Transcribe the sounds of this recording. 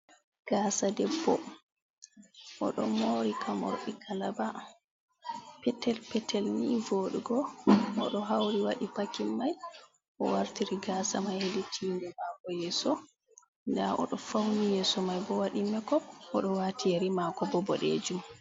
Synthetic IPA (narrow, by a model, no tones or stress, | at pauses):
ɡ̥asadɛbːɔ̰ | ʔɔ̰ɗɔ̰moːɾikʰamɔ̰ɾɓikalaba | pɛtːɛlpɛtʰɛlnivoɗuɡɔʔɔɗɔɦawɾiwaɗipakimːaj | ʔɔ̰waɾtiɾiɡasamajheditʰiːndɛmakɔjɛsɔ | ndaɔ̰ɗɔfawnijɛsɔmajbɔwaɗimɛkɔʔɔɗɔwaːtijeɾimakɔbɔbɔɗḛːd͡ʒum